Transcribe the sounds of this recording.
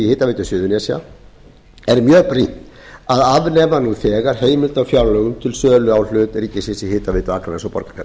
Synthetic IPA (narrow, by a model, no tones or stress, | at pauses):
ihɪːt̪avɪːt̪ʏsɪːðʏnɛsja̰ | ɛɾmjœːpɾint̪ | aðavnɛːmanuθɛːɣaɾ̥heːjmɪlt̪awfjawɾlœːɣʏmt̪ʰɪlsœːlʏawl̥ʏːt̪ɛɾiːcːɪsɛsɪhɪːt̪aveːt̪ʏakɾaɾɛnsɔwpɔ̰ɾkḁkʰɛɾ